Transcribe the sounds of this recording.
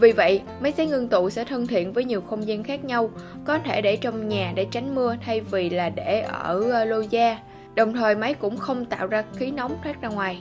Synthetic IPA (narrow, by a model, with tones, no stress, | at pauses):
vi˨˩və̰˧˨jʔ | ma˨˦jza˨˦jŋɨ˧ŋt̪ṵ˧˨sɛ̰˧˥t̪ʰə˧nt̪ʰḭ˧˨ənvəː˨˦jɲi˨˩əwxə˧wŋ͡mzi˧nxaː˦˥k̚ɲa˧w | kɔ˨˦t̪ʰe˧˩ɗe˧˩t͡ɕɔ˧wŋ͡mɲaː˨˩ɗḛ˧˩t͡ɕa˨˦jŋ̟mɨ˧ət̪ʰa˧jvi˨˩laː˨˩ɗe˧˩ʔəː˧˩lo˧zaː˧ | ɗə˨˩wŋ͡mt̪ʰəː˨˩jma˨˦jkʊ̰˧˥ŋ͡mxə˧wŋ͡mt̪a̰ː˧˨wzaː˧xi˨˦na˨˦wŋ͡mt̪ʰwaː˦˥k̚zaː˧ŋwaː˨˩j